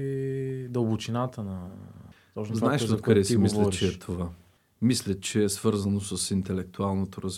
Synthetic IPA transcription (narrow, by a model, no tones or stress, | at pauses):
id̪əlˠbʊt͡ʃinat̪ənɐ | t̪ɔznaɛʃot̪kɐd̪ɛsimisllɛt͡ʃɛːt̪ʰova | mislʲət͡ʃɛːsv̥ɤɾzɐnosəsint̪ɛlɛk̚t̪ualˠnot̪oɾɐz